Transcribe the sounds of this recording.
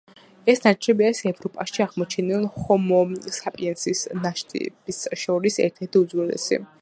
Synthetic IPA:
ɛsnat͡ʃʰʼɛbiaɾisɛvɾɔpʼaʃiaʁmɔt͡ʃʰɛnɛlχɔmɔsapʼiɛnsisnaʃt̪ʼɛ̰b̥isʃɔɾisɛ̰ɾt̪ʰɛɾt̪ʰiud̪zwɛlɛ̰sḭ

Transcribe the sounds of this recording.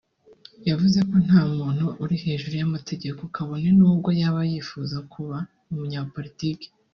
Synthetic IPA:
javuze̞ko̞n̥haːmuːn̥huʔuɾihe̞ːʒuɾujamate̞ɟe̞ko̞kaβo̞nenuːbɡo̞jaβajiːfuzakʰuβa | umuɲaːpo̞ɾitike̥

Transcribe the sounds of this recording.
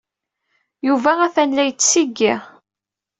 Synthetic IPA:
juvæʁæθænlæjət͡sːsiɡːiʁ

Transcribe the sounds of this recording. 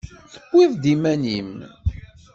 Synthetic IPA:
θə̥kʷːɪðˤd̪imænim

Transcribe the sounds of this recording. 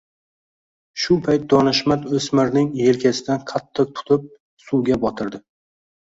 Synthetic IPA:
ʃʊpʰajt̪̚d̪ɒnɪʃmat̪ɵsmɪɾnɪŋje̞lkʲʰasɪd̪anqʰɑt̪ʰːɨq̚t̪ʰʊ̥t̪ʰɪp̚ | suwɡʲabɒt̪ʰɪɾd̪ɪ

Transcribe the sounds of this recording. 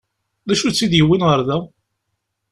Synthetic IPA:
ðæʃut͡sːiðjəwːinʁəɾˤðæ

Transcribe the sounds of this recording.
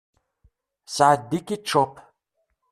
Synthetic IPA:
saːd̪ikʼiʈ͡ʂʰɔpʰ

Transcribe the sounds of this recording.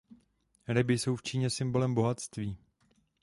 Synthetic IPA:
ɾɪbɪso̞wft͡ʃiːɲɛsɪmbo̞lɛmboɦat̪st̪viː

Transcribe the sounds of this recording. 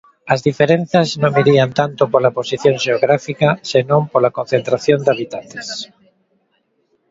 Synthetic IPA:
ɐzðifeɾẽn̟θɐznõŋiɾiant̪ant̪opolaposiθjõŋʃeoɣɾafikasenõmpolakon̟θẽnt̪ɾaθjond̪aβit̪ant̪e̥s

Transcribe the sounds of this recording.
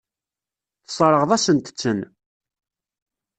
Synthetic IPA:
θə̥sˤɾˤəʁðˤæsənt̪ə̥t͡sːən

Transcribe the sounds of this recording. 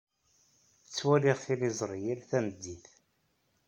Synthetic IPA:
ət͡sːwæliʁθilizˤɾˤjilθænəd̪ːiθ

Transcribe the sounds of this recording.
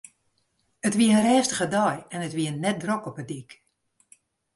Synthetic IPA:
ətʋiəənrɛːstəɣədɔjɛnətʋiənːɛt̚drokɔpədik

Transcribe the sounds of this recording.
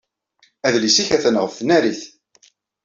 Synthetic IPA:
æðlisiçæθənʁəfθnæɾiθ

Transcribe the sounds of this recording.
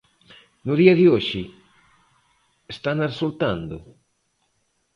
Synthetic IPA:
nʊðiɐðɪoʃɪ | est̪anaresult̪and̪ʊ̰

